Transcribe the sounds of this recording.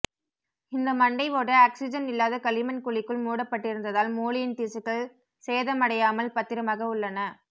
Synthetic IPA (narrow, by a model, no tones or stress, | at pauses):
ɪnd̪ɐmɐɳɖɐɪʋoːʈːɐaːksɪd͡ʒɐnɪlːaːðɐkɐlɪmɐnkʊɭɪkːɯɭmuːɽɐpːɐʈːɪɾɯnd̪ɐðaːlmuːɭɪjɪnt̪iːsɯkːɐɭ | seːðɐmɐɽɐjaːmɐlpɐt̪ːɪɾɐmaːɣɐʊɭːɐnɐ